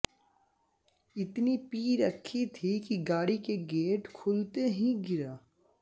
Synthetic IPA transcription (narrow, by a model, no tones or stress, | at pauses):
ɪt̪nipiːɾɐkʰːit̪ʰikiɡaːɽikeɡeːʈkʰʊlt̪eɦĩɡɪɾaː